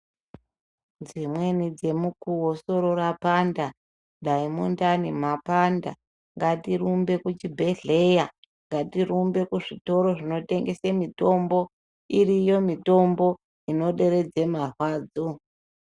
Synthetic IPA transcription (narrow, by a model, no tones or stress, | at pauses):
d͡zimwe̞nid͡ze̞mukuwoso̞ɾo̞ɾapanda | ɗaimundanimapanda | ŋɡatirumbe̞kut͡ʃibʱeɮe̞ja | ŋɡatiɾumbe̞kuʐito̞ɾo̞ʐino̞te̞ŋɡe̞semito̞mbo̞ | irijo̞mito̞mbo̞ | ino̞ɗe̞ɾe̞d͡ze̞marwaːd͡zo